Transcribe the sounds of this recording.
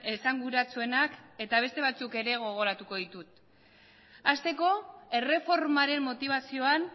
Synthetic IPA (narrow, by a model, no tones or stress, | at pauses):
esaŋɡuɾat͡sue̞nake̞t̪aβ̞e̞st̪e̞β̞at͡suke̞ɾe̞ɣo̞ɣ̞o̞ɾat̪uko̞ðit̪ut̪ | ast̪e̞ko̞e̞re̞fo̞ɾmaɾe̞mːo̞t̪iβ̞asio̞an